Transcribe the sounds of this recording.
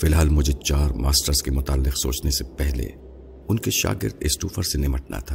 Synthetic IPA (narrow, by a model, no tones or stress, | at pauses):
fɪlɦaːlmʊd͡ʒʱet͡ʃaːɾmaːsʈəɾzkemʊt̪aːlːɪqso̰ːt͡ʃnesepɛɦlḛ | ʊnkeʃa̰ːɡɪɾd̪ɪsʈuːfəɾsenɪməʈ̚na̰t̪ʰaː